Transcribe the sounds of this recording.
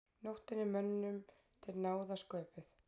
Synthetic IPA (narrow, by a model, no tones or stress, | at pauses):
nowht̪ɪnːɪmœnːnʏm | t̪ʰɪlnaːwðaskœːpɪθ